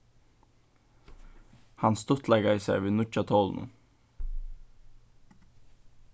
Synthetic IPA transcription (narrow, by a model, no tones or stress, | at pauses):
hɑnst̪ʊt̪ʰlɛɡɑiːsæ̰ʋeːnʊc͡çɑt̪ʰoːln̩ə̰